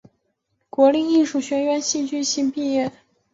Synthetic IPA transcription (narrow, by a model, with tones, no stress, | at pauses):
kwɔ˧˥li˥˧i˥˧ʂu˥˩ɕɥɛ˥nɥɛ˧˥nɕi˥˧nt͡ɕy˥˧ɕi˥npi˥˧jɛ˥˩